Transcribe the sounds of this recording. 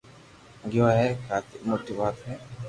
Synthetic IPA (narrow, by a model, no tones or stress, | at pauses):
ŋɡɪwajɛkat̪imotiwat̪ɛ